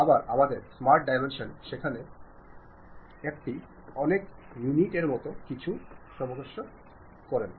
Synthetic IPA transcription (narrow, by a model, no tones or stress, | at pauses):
abaɾamad̪eɾsmaɾʈ̚ɖajmenʃonʃekʰane | ek̚ʈi | ɔnek | juniʈeɾmɔt̪okit͡ɕʰuʃɔbod̪oʃːo | kɔɾen